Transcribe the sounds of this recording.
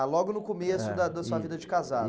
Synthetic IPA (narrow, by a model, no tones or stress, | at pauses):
lɔɡʊnʊkomesʊd̪ɐd̪ɐsuɐvid̪ɐd͡ʒɪkaza